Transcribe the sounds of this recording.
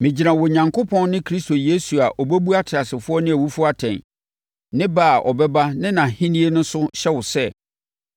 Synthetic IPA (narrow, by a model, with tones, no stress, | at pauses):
mɪ̃˨d͡ʑi˨ɾã˨wɔ˨ɲã˨ŋkʰo˦pʰɔ̃˦nnɪ̃˦kʰɾi˦sto˨je˦su˨a˨ʔɔ˨bæ˦bu˦a˦tʰɪ˨a˨sɪ˨fʊ˦ɔ˦nɪ̃˦æ˨wu˦fʊ˦a˦tʰɛ̰̃˨n | nɪ̃˦baː˦˨ʔɔ̰˨bɛ˦ba˦nɪ̃˦nã˨hĩ˦nĩ˦e˦nʊ̃˦sʊ˦ɕɛ˦wʊ˨sɛ˦˨